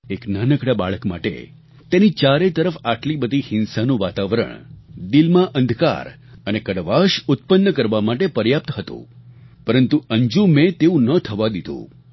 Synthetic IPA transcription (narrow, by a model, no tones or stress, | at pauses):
eknanəkɽaba̰ɭəkma̰ʈḛ | t̪enit͡ʃaɾet̪əɾəfaʈlibəd̪ʱihɪnsanũʋat̪aʋəɾə̰ɳd̪ilmãʔənd̪ʱka̰ɾ | ənekəɽʋaʃʊt̪̚pənːəkəɾʋamaʈepəɾjap̚t̪ɦət̪ṵ̃ | pəɾənt̪uəɲd͡ʒũmẽt̪eũnət̪ʰəʋad̪id̪ʱṵ̃